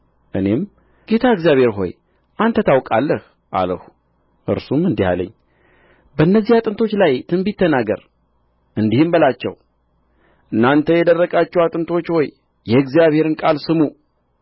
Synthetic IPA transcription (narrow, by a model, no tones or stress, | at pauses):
ʔɨ̰ne̞m | ɡ̥e̞t̪ʰaɨɡzijaβhe̞ɾɦo̞̰j | ʔant̪ʰət̪ʰawkʼalːəh | ʔa̰ləhu | ʔɨ̰ɾsumɨnd̪iha̰lə̰ɲː | bəɨnːəzːihat̪ʼɨnt̪ʰo̞t͡ʃːlajt̪ʰɨnbit̪ʰːənaɡə̰ɾ | ʔɨnd̪ihɨmbəlat͡ʃːɛ̰w | ʔɨnːant̪ʰəjɛd̪ərːəɡat͡ʃːɛwat̪ʼɨnt̪ʰo̞t͡ʃːho̞jː | ɛɨɡzijaβhe̞ɾɨnkʼalsɨmu